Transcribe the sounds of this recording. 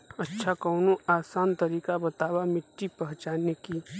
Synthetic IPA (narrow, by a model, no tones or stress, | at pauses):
ətːʃʰakɐʊnoʔaːsaːnt̪ɐɾiːkabɐt̪aːwamɪʈːipɐɦt͡ʃaːneki